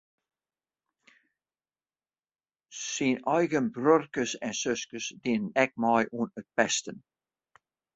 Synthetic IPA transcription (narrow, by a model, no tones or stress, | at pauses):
sinɔjɡənbɾøɾkəsɛnsøskəsd̪ɪnənɛk̚mɔjʔunət̪̚pɛst̪ən